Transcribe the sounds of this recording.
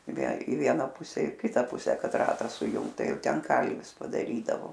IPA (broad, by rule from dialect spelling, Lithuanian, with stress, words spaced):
ɪ ʋʲiɛ ɪ ˈʋʲiɛnɐ ˈpʊsʲɛ ɪ ˈkʲɪtɐ ˈpʊsʲɛ ˈkɐt ˈrɑːtɑː sʊˈjʊŋkt ˈtɐɪ ˈjɛʊ ˈtʲɛn ˈkɐlʲʋʲɪs pɐdɐˈrʲiːdɐʋoː